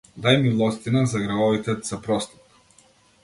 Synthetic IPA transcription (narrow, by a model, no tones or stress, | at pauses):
d̪ajmilˠɔst̪inazaɡɾavɔvit̪ɛz̥apɾɔst̪ɔ̥t̪